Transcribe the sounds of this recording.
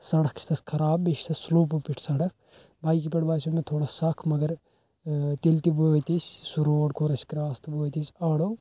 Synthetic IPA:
sɐɽɐkʰt͡ʃʰt̪ʰɐsʲkʰɐɾaːbːiʃt̪ʰɐssloːp̬upiʈʰsɐɽɐk̚ʰ | baːjkipeʈbaːsʰumet̪ʰoːɽasɐkʰmɐɡɐɾ | t̪elt̪iboːt̪ʲisʲsuɾoːɽkʰoɾɐsʲkɾaːst̪boːt̪isʲɐːɽo

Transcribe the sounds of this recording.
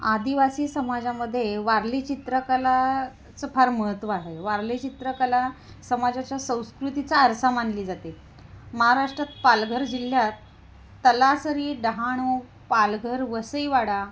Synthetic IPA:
ad̪iʋasiːsəmad͡zaməd̪ʱːjeʋaɾlit͡ɕit̪ɾəkəla | t͡səpʰaɾməɦət̪ʋəːɦeʋaɾlit͡ɕit̪ɾəkəla | səmad͡zat͡ɕjasə̃w̃skɾut̪it͡saəɾsamanliːd͡zat̪e | məɦaɾaʂʈɾat̪̚palɡʱəɾd͡ʑil̤jat̪ː | əlasəɾiːɖəɦaɽ̃u | palɡʱəɾʋəsəiʋaɽa

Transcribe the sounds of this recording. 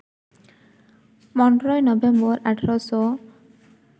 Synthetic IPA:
mɔnɖɾɔjnɔbembɔɾʔaʈʰaɾɔsɔ

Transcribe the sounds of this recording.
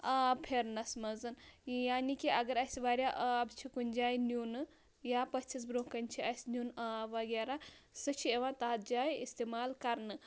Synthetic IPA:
ɐpʰeɾnɐsmɐzɨnjaːnikiɐɡɐɾɐsʲʋaːɾʲjaʔɐbt͡ʃʰikunʲd͡ʒaːjnuːnɨ | jaːpɐt͡ʃʰisbɾoːkɐnʲt͡ʃʰiɐsʲnjunʋɐɡeɾasɨt͡ʃʰieʋãːt̪aːt̪̚d͡ʒaːjist̪eːmaːlkɐɾnɨ

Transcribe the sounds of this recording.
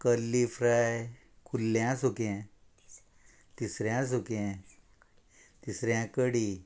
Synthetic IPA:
kəlːifɾaj | kʰulːjãsukɛ̃ | t̪isɾjãs̬ukɛ̃ | t̪isɾjãkəɽi

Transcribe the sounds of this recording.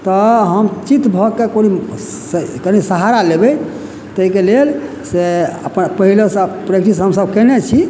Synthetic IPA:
t̪ɔɦəmt͡ʃit̪bʱɔkekoni | kənisəɦaɾalebɛ | t̪əikelel | seə̰pnpəɦiləsəpɾekʈisɦəmsəbkɛnɛt͡ʃʰi

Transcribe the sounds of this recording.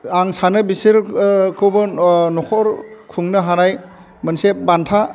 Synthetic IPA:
aŋsanɯbisiɾkʰɯwbɯnɔkʰɔɾkʰuŋnɯɦanaj | mɯnsebantʰa

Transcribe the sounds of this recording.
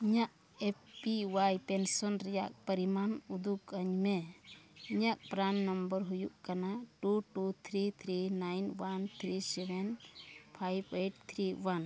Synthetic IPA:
iɲaʔ | eppiwajpensɔnɾɛjaʔ̚pəɾimanud̪ukəɲme | iɲak̚pɾanːɔmbəɾɦujuʔkanaʈuʈut̪ʰɾit̪ʰɾinajnwant̪ʰɾisebʱɛnpʰajbeʈ̚t̪ʰɾiwan

